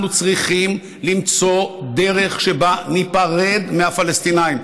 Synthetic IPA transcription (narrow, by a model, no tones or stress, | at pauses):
nut͡sʁiχim | limt͡so̞d̪e̞ʁe̞χʃebanipaʁe̞d̪mehafalest̪inaim